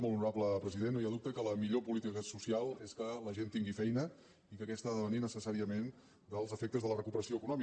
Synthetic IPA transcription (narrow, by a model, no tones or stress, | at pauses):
molˠunuɾabləpɾəziðennojaðup̚t̪əkələmiʎopulit̪ikəsusialˠeskələʒent̪iŋɡifɛjnə | ikəkɛst̪aðəβəninəsəsaɾiəmen | d̪əlˠzəfek̚t̪əzðələrəkupəɾəsioəkunɔmi